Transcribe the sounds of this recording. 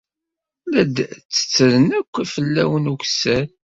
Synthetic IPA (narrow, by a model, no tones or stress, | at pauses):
læd̪t͡sːə̥t͡sːəðənækʷːæfəlːæ̰wənuçsæ